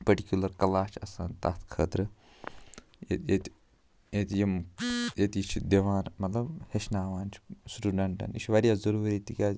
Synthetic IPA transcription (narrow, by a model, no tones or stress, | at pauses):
pɐʈikʲjulɐɾkɐlaːt͡ʃʰɐsaːnt̪ɐ̰t̪ʰkʰəːt̪ɾɨ | jḛt̪jet̪ | jet̪ʲjimjet̪it͡ʃʰid̪eʋaːnmɐt̪lɐbheʃnaːʋaːnt͡ʃʰi̥sʈuɖɐɳʈɐ̰niʃʰʋɐɾjaːzɐɾuːɾit̪ikʲaː